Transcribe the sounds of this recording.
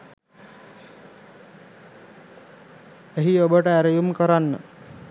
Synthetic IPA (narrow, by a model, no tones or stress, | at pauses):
eɦiobəʈəæɾəjumkəɾanːə̰